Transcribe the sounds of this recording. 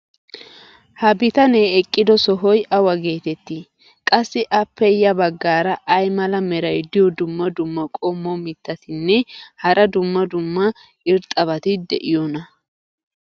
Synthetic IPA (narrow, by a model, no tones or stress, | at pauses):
hɐbɪt̪ɐneːɛkʼːɪd̪ɔsɔɦɔjʔɐwɐɡe̞ːt̪ɛt̪ːɪ | kʼɐsːɪʔɐpːɛjɐbɐɡːaːɾɐʔːjmɐlɐmɛɾɐjd̪ɪjɔd̪ʊmːɐd̪ʊmːɐkʼɔmːɔmɪt̪ːɐt̪ɪnːɛhɐɾʔɐd̪ʊmːɐd̪ʊmːɐ | ɪɾt̪ʼːɐβɐt̪ɪd̪ɛʔɪjɔnɐ